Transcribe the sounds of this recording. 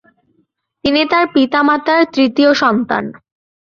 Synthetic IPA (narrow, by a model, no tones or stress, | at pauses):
t̪init̪aɾpit̪amat̪aɾt̪ɾit̪ioʃɔnt̪a̰n